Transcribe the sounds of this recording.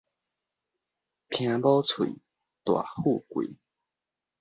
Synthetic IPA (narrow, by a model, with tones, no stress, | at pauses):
t̪ʰj̃ã˧bɔ˦t͡sʰwḭ˨˦ | t̪wa̰˨˩hu˥˧kwḭ˨˩˦